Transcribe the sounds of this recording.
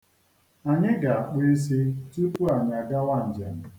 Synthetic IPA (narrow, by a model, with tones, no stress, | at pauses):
a˨ɲɪ˦ɡa˨a˨k͡pe˦s̬i˦tu˦pu˦a˨ɲ˨a˨ɡa˦wa˦˨n̩˨d͡ʒa̰˨n˨